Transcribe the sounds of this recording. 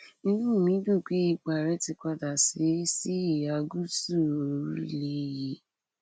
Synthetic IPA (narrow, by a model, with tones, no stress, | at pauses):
ni˦nũ˦˨mĩ˨˦du˦˨k͡pe˦i˧k͡pa˨ɾɛ˨˦ti˧kʷa˧da˨si˨˦si˦i˨a˨ɡu˦su˦˨o˨ɾu˦le˦ji˨˦